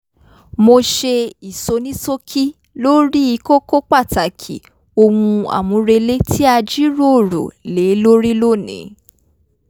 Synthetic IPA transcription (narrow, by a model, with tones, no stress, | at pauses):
mo˧ʃe˧i˨so˧nĩ˦so˦kʰi˦ | lo˦ɾi˦i˧ko˦ko˦k͡pa˦˨ta˨kʰḭ˨ | o˧wũ˧a̰˨mũ˨˧˦ɾe˧le˦ti˦a˧d͡ʒi˦ɾo˦˨ɾo̰˨le˨˦lo˦ɾi˦lo˦˨nḭ̃˨˦